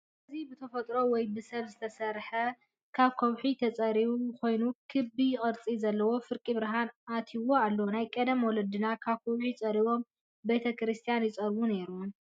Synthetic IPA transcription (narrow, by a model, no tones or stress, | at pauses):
ɐzibɨt̪ʰɐfɐt̪ʼɾo̞wɔjbɨsɐβzɨt̪ʰɐsɐɾħɐ | kʰaβkʰowħit̪ʰɐt͡sʼɐɾiβuko̞jnukʰɨbijɪkʼɨɾt͡sʼizɐlːɐwo̞fɨɾkʼibɨɾɦanʔat̪ʰiwoalːɐwonajkʼɐd̪ɐmwɔlɐd̪ɨnakʰaβkʰowħit͡sʼɐɾiβo̞m | be̞t̪ʰɐkɾɨst̪ʰijanjɪt͡sʼɐɾbune̞ɾu